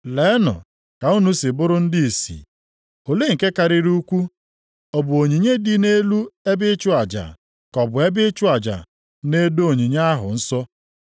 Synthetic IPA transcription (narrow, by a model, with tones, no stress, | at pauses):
le˨˦nɔ̰˨ | ka˨u˦nu˦sɪ˨bʊ˦ɾʊ˦n̩˦dɪ˦i˨sḭ˨ | o˨le˦ŋ̩˨ke˦ka˨ɾɪ˦ɾu˦kʷu˦ | ɔ˨bʊ˨o˨ɲi˨ɲe˦dɪ˦ne˦lu˦e˦bɪ˦t͡ʃʊ˦a˨d͡ʒa̰˨ | kɔ˨bʊ˨e˦bɪ˦t͡ʃʊ˦a˨d͡ʒa̰˨ | ne˦do˦o˨ɲi˨ɲa˦a˦ɦʊ˨n̩˦sɔ˦